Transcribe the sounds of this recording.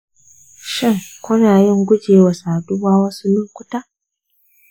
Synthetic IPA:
ʃɪ˦˨ŋkʷʊ˦naː˨jɪ˦˨ŋɡʷʊ˦d͡ʒeː˨wa˨saː˨dʊ˦waː˦wɐ˦su˦nʊ˦ŋkʷʊ˦ta˦

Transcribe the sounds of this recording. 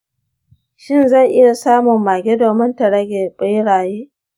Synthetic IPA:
ʃɪ˦nzɐ˦˨ŋʔɪ˦ja˨saː˦mʊ˨mːaː˨ɡʲe˦doː˨mɪ˦ntɐ˨ɽɐ˦ɡʲeː˨ɓɪ˦jɽaː˨jeː˦

